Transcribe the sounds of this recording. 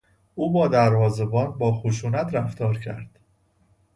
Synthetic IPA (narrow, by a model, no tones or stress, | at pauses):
ʔuːbɒːd̪æɾvɒːzebɒːnbɒːxoʃuːnæt̪ʰɾæft̪ʰɒːɾcʰæ̰ɾd̪̥